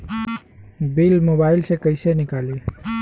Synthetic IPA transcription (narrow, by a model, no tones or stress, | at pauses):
bilmobaɪlsẽkəɪsenikali